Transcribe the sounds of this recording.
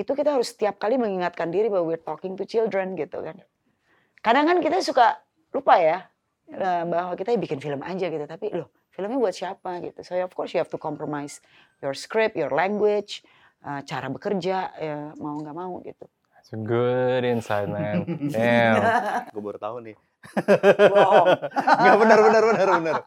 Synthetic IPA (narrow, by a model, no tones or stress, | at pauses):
it̪ukit̪aɦaɾʊsːə̥t̪iap̚kaliməŋiŋat̪̚kandiɾibawawirt̪ɔkɪŋt̪ut͡ʃildɾənɡit̪ṵkan | kadaŋankit̪asuka | lupaja | əbaɦwakit̪ajbikɪnfiləmʔa̰d͡ʒaɡit̪ut̪apilʊh | filəmɲabuat̪̚siapaɡḭt̪usoɛnɔfkɔrsjuhɛft̪ukɔmpɾomajs | jɔrskɾɪp̚jɔrlɛŋɡwɪt͡ʃ | ʔət͡ʃaɾabəkərd͡ʒaʔəmauŋɡaʔmaṵɡḭt̪u | sɡudɪnsajt̪̚mɛnɛ | ɡəbʊrt̪aʊnːɪ | ŋɡaʔbənərbənərbənərbənər